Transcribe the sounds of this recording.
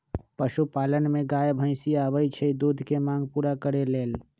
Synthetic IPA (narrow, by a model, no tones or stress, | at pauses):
pəʃupaːlənmẽɡaːjbʱə̃ɪ̃siabəit͡ʃʰəid̪uːd̪ʱkemãːŋɡ̚puːɾakəɾeleːl